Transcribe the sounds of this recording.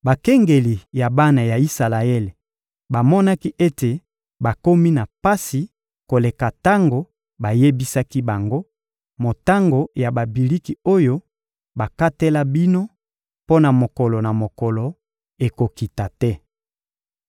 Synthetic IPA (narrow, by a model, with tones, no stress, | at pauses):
ba˨kɛ˦ŋɡe˨li˨ja˨ba˦na˨ja˨i˦sa˨la˨e˦le˨ | ba˨mɔ˦na˦ki˦ʔe˦te˨ | ba˨ko˦mi˦na˨pa˦si˨ | ko˨le˨ka˨ta˦ŋɡo˨ | ba˨je˦bi˦sa˦ki˦ba˨ŋɡo˦ | mo˨ta˦ŋɡo˨ja˨ba˨bi˨li˦ki˨o˦jo˦ | ba˨ka˦te˦la˦bi˦no˦ | po˦na˨mo˨kɔ˨lɔ˨na˨mo˨kɔ˨lɔ˨ | e˨ko˨ki˨ta˨tɛ˦